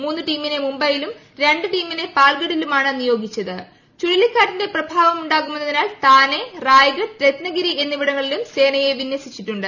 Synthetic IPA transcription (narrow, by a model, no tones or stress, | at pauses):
muːnːɨʈiːmːine̞mumbɐjilum | ɾe̞ɳɖɨʈiːmːine̞paːɭɡɐɽilumaːɳɨnijo̞ːɡʱit͡ɕːɐðɨ | t͡ɕuɻilikːaːʈːinde̞prɐbʱaːʋɐmuɳɖaːkːumenːɐðinaːlt̪aːne̞raːjɡɐɾet̪nɐɡiɾie̞nːiʋiɽɐŋːɐɭilumse̞ːnɐje̞ʋinːwɐsit͡ɕːiʈːuɳɖɨ